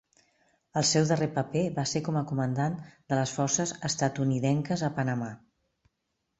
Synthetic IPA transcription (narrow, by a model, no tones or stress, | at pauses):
əlˠsɛwðərepəpeβaseɾkɔməkumənd̪and̪ələsfɔrsəzəst̪ət̪uniðɛŋkəzəpənəma